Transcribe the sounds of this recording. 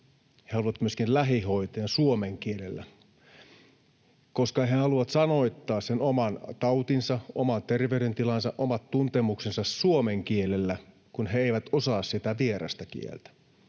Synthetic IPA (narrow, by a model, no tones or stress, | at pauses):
hehɑluʋɑt̪myøskinlæɦiɦoit̪eːnsuomeŋkielelːæ̰ | koskɑɦehɑluʋɑt̪sɑno̞it̪ːɑːssenomɑnt̪ɑut̪insɑomɑnt̪erʋeyɾent̪ilɑnsɑʔomɑt̪tunt̪emuksensɑssuomeŋkielelːæ | kunɦeeiʋæt̪osɑːssit̪æʋieɾɑ̰st̪ækḭḛlt̪æ̥